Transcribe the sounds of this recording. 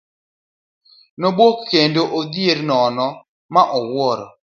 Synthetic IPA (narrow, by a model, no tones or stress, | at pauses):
nobokːendoʔod̪jeɾnɔnɔ | maʔɔwɔɾɔ̰